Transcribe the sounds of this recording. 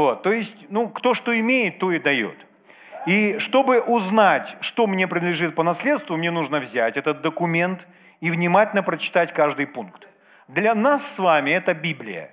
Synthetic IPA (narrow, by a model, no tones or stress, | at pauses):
vo̞t̪ːo̞jɪsʲtʲnukt̪o̞ʂt̪o̞ɪmʲejɪt̪ːo̞ɪd̪ɐjo̞̰t̪ | iʂt̪o̞bɨʔʊznatʲʂt̪o̞mnʲe̞pɾʲɪnd̪lʲɪʐɨt̪̚pənɐslʲe̞t̪st̪vʊmnʲe̞nuʐnəvzʲætʲɛt̪ət̪̚d̪əkʊmʲe̞nt̪ | ivnʲɪmatʲɪlʲnəpɾət͡ɕɪ̥t̪atʲkaʐd̪ɨjpunkt̪ | d̪lʲɐnasːvamʲɪɛt̪əbʲiblʲɪ̰jə̰